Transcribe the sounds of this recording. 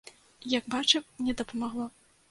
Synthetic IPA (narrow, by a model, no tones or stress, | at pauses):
jɐɡbat͡ʂɛnʲɛd̪ɐpɐmaɣlˠɔ